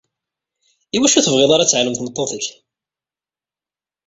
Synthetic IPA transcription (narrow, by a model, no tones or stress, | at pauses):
iwæʃuθəvʁɪðˤɑɾɑt͡sːʕaləmθnət̪ˤːoθəç